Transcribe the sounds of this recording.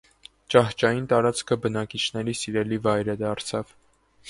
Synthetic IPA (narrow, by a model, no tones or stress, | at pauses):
t͡ʃɑht͡ʃɑjint̪ɑɾɑt͡skʰəbənɑkit͡ʃʰnɛɾisiɾɛlivɑjɾəd̪ɑɾt͡sʰɑv̥